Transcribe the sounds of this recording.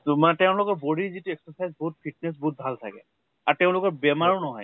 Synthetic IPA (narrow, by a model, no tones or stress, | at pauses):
matɛʊ̃lʊkɔboɹizitʊɛksɔsajzbɔɦut̚pʰit̚nɛs̬bɔɦut̚bʱaltʰa̰kɛ̰ | aɹtɛʊ̃lʊkɔɹbɛmaɹunɔɦɔ̰j